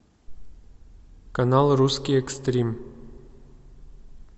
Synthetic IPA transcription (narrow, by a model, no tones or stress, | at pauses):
kɐnalˠruskʲiɛkst̪ɾʲim